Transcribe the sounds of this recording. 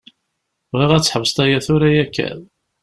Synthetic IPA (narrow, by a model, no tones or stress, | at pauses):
vʁiʁæt͡sːħəvəst̪æjæθʊɾæjækːæ̰ð